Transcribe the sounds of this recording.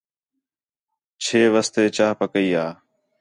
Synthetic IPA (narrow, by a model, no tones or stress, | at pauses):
t͡ʃʰeːʋəst̪eːt͡ʃaːɦpəkəiːaː